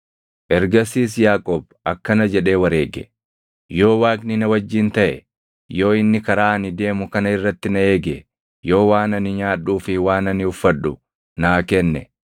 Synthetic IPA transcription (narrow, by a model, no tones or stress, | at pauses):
ʔɛɾɡɐsiːs̬jaːkʼoːb̚ | ɐkːɐnɐd͡ʒɛᶑe̞ːwɐɾeːɡɛ̰ | jo̞ːwaːknɪnɐwɐd͡ʒːiːnt̪ɐʔɛ̰ | jo̞ːɪnːɪkɐɾaːɐnɪd̪e̞ːmʊkɐnɐɪrːɐt̪ːɪnɐe̞ːɡɛ | jo̞ːwaːnɐnɪɲaːᶑuːfɪwaːnɐnɪʊfːɐᶑːʊ | naːkɛnːɛ